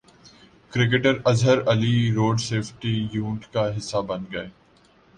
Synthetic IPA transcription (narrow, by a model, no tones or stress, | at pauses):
kɾɪk̬eʈəɾɐzɦəɾɐliɾoːɖseːfʈijũːɳʈkaɦɪsːabɐnɡɐeː